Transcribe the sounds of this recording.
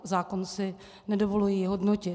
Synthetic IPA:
zaːkonsɪ | nɛdovo̞lujiːɦodnocɪ

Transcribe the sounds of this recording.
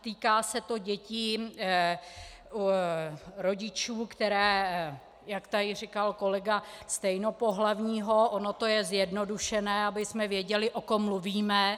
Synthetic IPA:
t̪iːkaːsɛt̪o̞ɟɛci | u | ɾo̞ɟɪt͡ʃuːkt̪ɛɾɛː | jakt̪aɾɪr̝ɪkalko̞lɛɡast̪ɛjno̞po̞ɦlavɲiːɦo̞ʔono̞t̪o̞jɛzjɛdno̞duʃɛnɛːabɪsmɛvjɛɟɛlɪʔokomːluviːmɛ

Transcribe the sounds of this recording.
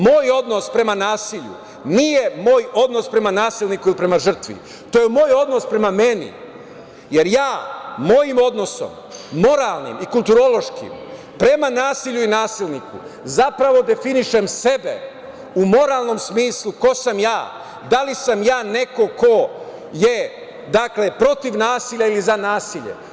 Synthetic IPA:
mo̞ːjo̞d̪no̞spɾe̞manaːsiʎṵ | nijemoːjo̞d̪no̞spɾe̞manaːsilˠnikuilipɾe̞maʒr̩t̪ʋḭ | t̪oːjemo̞ːjo̞d̪no̞spɾe̞mamenḭ | je̞ɾjaːmo̞jimo̞d̪no̞so̞̰mː | o̞ɾaːlˠnḭmikulˠt̪uɾo̞lˠo̞ʃkḭm | pɾe̞manaːsiʎuinaːsilˠnikṵzapɾaʋo̞d̪e̞finiʃe̞mse̞bḛ | umo̞ɾaːlˠno̞msmiːslˠuko̞samjaː | d̪alisamjaːne̞ko̞ko̞ | je̞ | d̪akle̞pɾo̞t̪iʋnaːsiʎailizanaːsiʎḛ

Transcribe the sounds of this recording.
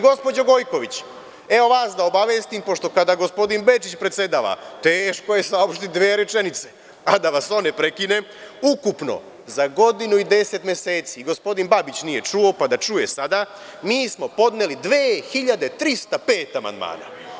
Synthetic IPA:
ɡo̞spod͡ʑoɡo̞jko̞ʋit͡ɕ | e̞o̞ʋaːsd̪aobaʋeːst̪impo̞ʃt̪o̞kad̪aɡo̞spo̞d̪inbe̞t͡ʃit͡ɕpɾet̪se̞d̪aːʋa̰t̪eːʃkoje̞sao̞pʃt̪it̪d̪ʋeːɾet͡ʃenit̪se | ad̪aʋaso̞nepɾe̞kine̞ | ukupno̰ | zaɡo̞d̪inuid̪e̞set̪mje̞seːt̪siɡo̞spo̞d̪inbabit͡ɕnije̞t͡ʃuo̞pad̪at͡ʃuje̞sad̪a | miːsmo̞po̞d̪nelid̪ʋeːxiʎad̪e̞t̪ɾist̪ape̞ːt̪ama̰nd̪ma̰ːna̰

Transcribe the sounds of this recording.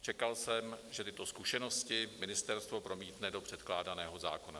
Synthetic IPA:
t͡ʃɛkalsɛmʒɛt̪ɪt̪o̞skuʃɛno̞scɪmɪnɪst̪ɛɾst̪vo̞pɾo̞miːt̪nɛdo̞pr̥ɛt̪klaːdanɛːɦo̞za̰ːko̞na

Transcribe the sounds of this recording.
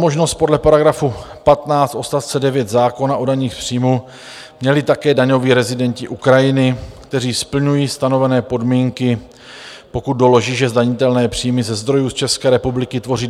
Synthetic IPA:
mo̞ʒno̞st̪̚po̞dlɛpaɾaɡɾafupat̪naːt͡st̪ʔo̞st̪aft͡sɛdɛvjɛt̪zaːko̞naʔodaɲiːxpr̝̥iːmu | mɲɛlɪt̪akɛːdaɲo̞viːɾɛzɪdɛɲcɪʔukɾajɪnɪkt̪ɛriːspl̩ɲujiːst̪ano̞vɛnɛːpo̞dmiːŋkɪ | po̞kut̪̚do̞lo̞ʒiːʒɛzdaɲɪt̪ɛlnɛːpr̥iːmɪzɛzd̪ɾo̞juːst͡ʃɛskɛːɾɛpublɪkɪt̪vo̞riː

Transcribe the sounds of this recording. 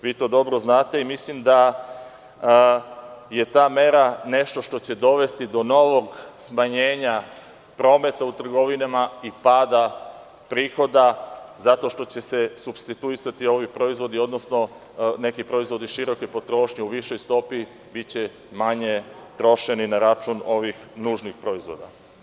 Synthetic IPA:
ʋiːt̪o̞ːd̪o̞bɾoznaːt̪e̞imislimd̪a | je̞t̪aːme̞ɾane̞ʃt̪o̞ʃt̪ot͡ɕe̞d̪o̞ʋe̞st̪id̪o̞no̞ʋo̞ɡsmaɲeːɲa | pɾo̞ːme̞t̪aut̪r̩ɡo̞ʋinamaipaːd̪a | pɾiːxo̞d̪azat̪o̞ʃt̪o̞t͡ɕe̞sesubst̪it̪uisat̪io̞ʋipɾo̞izʋo̞d̪io̞d̪nosno̞ | ne̞kipɾo̞izʋo̞d̪iʃiɾo̞kepo̞t̪ɾo̞ːʃɲeuʋiʃo̞jst̪o̞pi | bit͡ɕe | maɲe̞t̪ɾo̞ʃe̞ninaɾat͡ʃuno̞ʋixnuːʒnixpɾo̞izʋo̞̰d̪a̰

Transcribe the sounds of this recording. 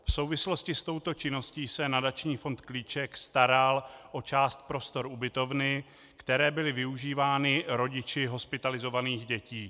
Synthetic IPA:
fso̞wvɪslo̞scɪst̪o̞wt̪o̞t͡ʃɪno̞sciːsɛnadat͡ʃɲiːfo̞nt̪kliːt͡ʃɛkst̪aɾalʔo̞t͡ʃaːst̪̚pɾo̞st̪o̞ɾʔubɪt̪o̞vnɪ | kt̪ɛɾɛːbɪlɪvɪuʒiːvaːnɪɾo̞ɟɪt͡ʃɪɦo̞spɪt̪alɪzo̞vaniːɣɟɛciː

